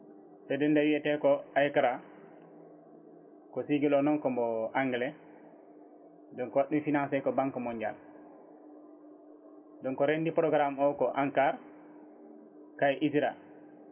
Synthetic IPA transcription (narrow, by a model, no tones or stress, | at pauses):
tɛdɛndawiɛtɛkɔʔajkɾa | kɔsiɡilɔnɔnkɔmbɔʔaŋɡɛlɛ | dɔnkɔwaɗːumfinansɛkɔbaŋkɔmɔɲd͡ʒa̰l | dɔnkɔɾendipɾɔɡɾamɔkɔʔaŋkaɾ | kajʔisiɾa